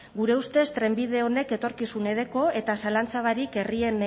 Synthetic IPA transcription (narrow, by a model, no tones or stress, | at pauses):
ɡuɾe̞ust̪e̞st̪ɾe̞mbið̞e̞o̞ne̞ke̞t̪o̞ɾkisune̞ðe̞ko̞e̞t̪asalant͡saβ̞aɾike̞rie̞n